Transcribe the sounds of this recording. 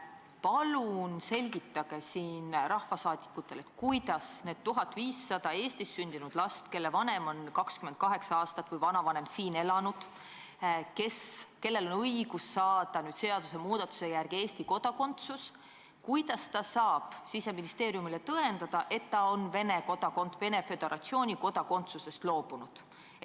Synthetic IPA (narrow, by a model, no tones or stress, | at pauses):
pɑlunse̞lʲɡ̥it̪ːˑɑɡ̥e̞siːnrʔɑhvɑsɑːd̪̥i̥kːˑut̪ːˑe̞le̞t̪ːkujd̪̥ɑsne̞ːd̪̥̚t̪uɦɑt̪ːˑviːsːɑd̪̥ɑe̞ːst̪isːynʲd̪̥inud̪̥lɑst̪ke̞lːevɑne̞mo̞nkɑkskymend̪̚kɑɦe̞ksɑɑːst̪ɑt̪ːˑvɤjvɑnɑvɑne̞msiːne̞lɑnud̪̥ | ke̞ske̞lːe̞lo̞nɤjɡ̥usːɑːd̪̥ɑnyːd̪̥se̞ɑd̪use̞muːd̪̥ɑt̪ːu̥se̞jærɡ̥ie̞ːst̪iko̞d̪̥ɑko̞nt̪sus | kujd̪̥ɑst̪ɑsɑːb̥sise̞minist̪e̞ːɾijumile̞t̪ɤe̞nd̪̥ɑd̪̥ɑʔe̞t̪ːɑo̞nve̞neko̞d̪ɑko̞nt̪ve̞ne̞fe̞d̪̥e̞ɾʔɑt̪sio̞ːnʲiko̞d̪ɑko̞nt̪suse̞st̪lo̞ːb̥unud̪̥